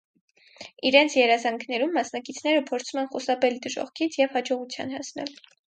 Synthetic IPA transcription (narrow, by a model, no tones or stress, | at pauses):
iɾɛnt͡sʰjɛɾɑzɑŋkʰnɛɾumːɑsnɑkit͡sʰn̪ɛɾəpʰɔɾt͡sʰumɛnχusɑpɛld̪əʒɔ̰χkʰit͡sʰjɛvhɑd͡ʒɔʁut͡sʰjɑ̰nhɑsnɛ̰l